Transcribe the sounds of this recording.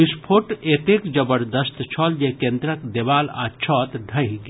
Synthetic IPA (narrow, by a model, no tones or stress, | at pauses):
ispʰoʈet̪ekd͡ʒəbəɾd̪əst̪t͡ʃʰɔːld͡ʒekend̪ɾəkd̪ebaːla̰t͡ʃʰɔːt̪ɖʱəiɡ